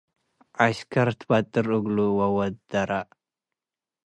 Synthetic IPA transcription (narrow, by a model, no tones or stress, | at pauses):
ʔaskʰaɾt̪ʰbat̪ʼɨɾuɡluwawɐt̪d̪̥aɾa